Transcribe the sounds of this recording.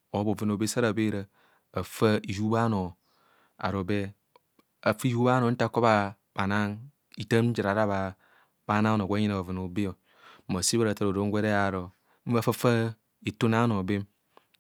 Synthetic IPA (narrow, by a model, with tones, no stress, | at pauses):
o˨˦bo˨vi˨n˨o˨be˦sa˦ɾa˨be˦ɾa˨ | a˨fa˦i˨d͡ʒu˦ba˦no˨ | a̰˨ɾo˨be˦ | a˨fi˦ju˦ba˦no˨n̩˦ta˦kːo˦ba˦ | ba˨na˦ŋ | i˨ta˦m̩˦d͡ʒi˨ɾa˨ɾa˦βa˨ | ba˨˦na˦no˨ɡʷe˦ɲi˦na˨o˨vi˨no˨be˦o˨˦ | ma˨si˦ba˦ɾa˨ta˨ɾo˨ɾo˨˦ŋ˦ɡʷe˦ɾe˦a˨ɾo˨ | m̩˦va˦fa˦fa˦ | i˨tu˦na˦no˨be˦m